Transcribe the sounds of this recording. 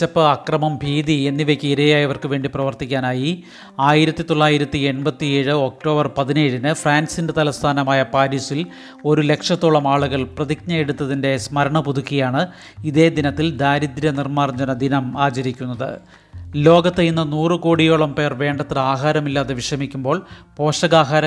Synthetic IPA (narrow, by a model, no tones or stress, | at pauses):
t͡ɕːɐpːɨɐkrɐmɐmbʱiːðie̞nːiʋekʲːiiɾɐjaːjɐʋɐrkɨʋe̞ːɳɖiprɐʋɐrt̪ikʲːaːnaːji | aːjiɾɐt̪ːit̪o̞ɭːaːjiɾɐt̪ːie̞nbɐt̪ːijeːɻɨo̞k̚ʈo̞ːbɐrpɐðineːɻinɨfraːnsindet̪ɐlɐst̪ʰaːnɐmaːjɐpaːɾisil | o̞ɾule̞kʂɐt̪ːoːɭɐmaːɭuɣɐɭprɐðik̚ɲɐjeɽut̪ːɐðinde̞smɐɾɐɳɐpuðukːijaːɳɨ | iðe̞ːd̪inɐt̪ːild̪aːɾid̪ɾjɐnirmaːrɲd͡ʑɐnɐd̪inɐmaːt͡ɕɐɾikʲːun̪ːɐðɨ̰ | lo̞ːɡɐt̪ːejinːɐnuːrɨko̞ːɽijoːɭɐmpe̞ːrʋe̞ːɳɖɐt̪ːɨlaːɦaːɾɐmilːaːðeʋiʂrɐmikʲːumbo̞ːɭpo̞ːʂɐɣaːɦaːɾɐ